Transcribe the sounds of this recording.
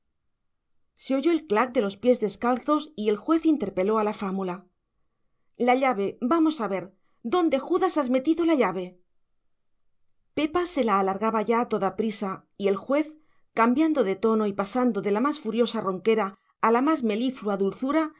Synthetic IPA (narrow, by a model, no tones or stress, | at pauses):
se̞o̞ʝo̞elklak̚d̪e̞lo̞spje̞zðe̞skalθo̞sie̞lxwe̞θint̪e̞ɾpe̞lo̞alafamula | laʎaβe̞bamo̞saβe̞ɾ | d̪o̞nd̪e̞xuðasazme̞t̪iðolaʎaβ̞e̞ | pe̞pase̞laːlaɾɣaβaʝaːt̪o̞ðapɾisa | ie̞lxwe̞θ | kambjand̪o̞ðe̞t̪o̞no̞ipasand̪o̞ðe̞lamasfuɾjo̞saro̞ŋke̞ɾaː | lamazme̞lifluaðulθuɾa